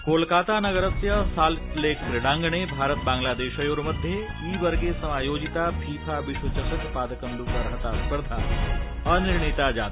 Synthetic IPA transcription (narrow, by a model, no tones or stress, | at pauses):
kolkat̪anɐɡəɾət̪jəsalʈlekpɾeɽãŋɡɳ̃ebʱaɾət̪̚baŋɡlad̪eɕajoɾməd̪ʱje | iːʋəɾɡesəmajod͡ʑit̪apʰiːpʰaʋiɕʋət͡ɕəsəkpad̪ʱəkənd̪ukəɾɦət̪aspəɾt̪ʰaəniɾɳit̪ad͡ʒat̪